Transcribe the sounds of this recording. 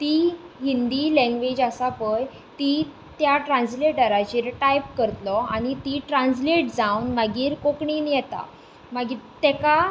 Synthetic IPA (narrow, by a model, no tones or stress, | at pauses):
t̪iː | ɦind̪iːlɛ̃ŋɡʋed͡ʑəsapəj | t̪i | t̪jaʈɾãnsleʈəɾat͡ɕiːɾʈajpkəɾt̪lɔaɽ̃it̪iʈɾãnsleʈd͡zaunmaɡiːɾkokɳiːnjɛt̪a̰ | maɡiːt̪ɛka